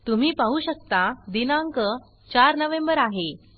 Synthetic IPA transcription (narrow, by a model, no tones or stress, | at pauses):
t̪um̤iːpaɦuɕək̚t̪ad̪inaŋkə | t͡ɕaɾnəʋẽmbəɾaɦe